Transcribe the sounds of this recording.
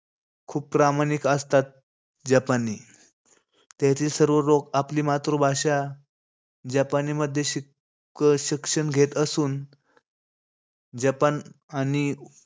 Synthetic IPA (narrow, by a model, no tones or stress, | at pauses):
kʰuːp̚pːɾamanikəst̪at̪̚ | d͡ʑapani | t̪jat̪iːlsəɾʋəɾokapliːmat̪ɾobʱaɕa | d͡ʑapaniməd̪ʱjeɕi | kəɕikʂənɡʱet̪əsuːn | d͡ʑapanañi